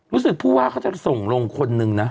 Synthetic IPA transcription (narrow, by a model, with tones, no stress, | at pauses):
ɾuː˦˥sɯ˨˩k̚pʰuː˥˩waː˥˩kʰaː˥˩t͡ɕa˨˩so˨˩ŋɾo˧ŋkʰo˧nːɯ˧ŋna˦˥